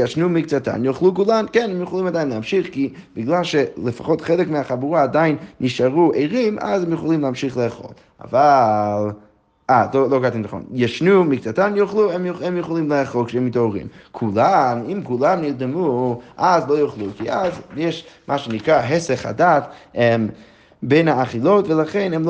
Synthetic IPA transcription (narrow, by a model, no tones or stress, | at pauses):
jaʃnumikt͡sata̰njoχlˠukulˠankɛnɛmjuχolˠimadaɪnləhamʃiχki | b̥ɪɡlˠalˠʃɛlˠəfa̰χɔtχɛlˠəkmeaχabuaːdaɪnːiʃaʁueɪʁimʔa̰zɛmjuχolˠimlˠəhamʃiχlˠəaχo̰lˠ | a̰valˠ | azlolˠoɡatindaχɔ̰njɛʃnumikt͡satamjuχlˠuɛmjuɛmjuχolˠimlˠəaχolˠkʃɛmitoʁḭmkʰulˠanimkulˠamniʁd̪ɛmuazlˠojuχlˠukiazjɛʃmʔaːʃenikaɦɛsɛχa̰datɛm | benaːχilˠotvəlˠaχɛnɛm